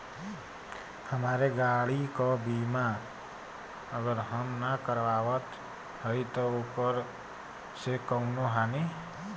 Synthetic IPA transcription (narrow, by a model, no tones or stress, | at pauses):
həmaːɾeɡaːɽikobiːma | əɡəɾɦəmnakəɾʋaːʋət̪ | həit̪ɔoːkəɾ | sekəũnoɦaːni